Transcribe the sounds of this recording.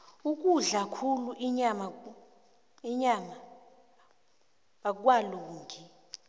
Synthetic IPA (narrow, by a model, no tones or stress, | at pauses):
uk̬ʼuɮakʰuluʔiɲama | iɲama | ɓak̬waluːŋɡʱi